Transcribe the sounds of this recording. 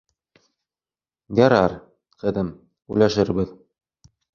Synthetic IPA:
ɡæɾɑɾ | qɘ̆ðɘm | ʉ̰jlæʃɘ̆ɾbɘð

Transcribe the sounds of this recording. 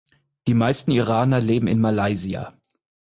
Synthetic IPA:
d̥iːmaɪstn̩iʁaːnɐleːbm̩ɪ̰nmalaɪzia̰

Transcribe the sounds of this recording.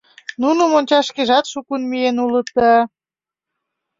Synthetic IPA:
nunomonʲt͡ɕɑʃkeʒɑt̪ʃukunmijenulə̆t̪ːɑ

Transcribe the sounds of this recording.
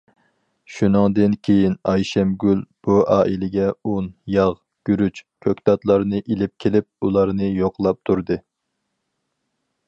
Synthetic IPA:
ʃunɨŋd̪ɨnkʲʰejinɑjʃɛmɡʲylb̥uʔɑːʔilɪɡʲɛunjɑʁ | ɡ̥ʲyɾyt͡ʃkʲʰøkʲt̪ɑt̪lˠɑɾnɨʔilɪp̚kʲʰelɪp̚ulˠɑɾnɨjoqlˠɑp̚t̪ʰuɾd̪ɨ

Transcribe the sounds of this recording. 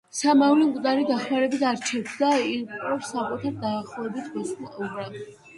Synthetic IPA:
samavlimkʼd̪aɾid̪aχmaɾɛbit̪ʰaɾt͡ʃʰɛpʰd̪aiɾpʼɔɾsakʼut̪ʰaɾd̪aːχlˠɔvɛbit̪ʰbɔslˠaʔɔbɾa

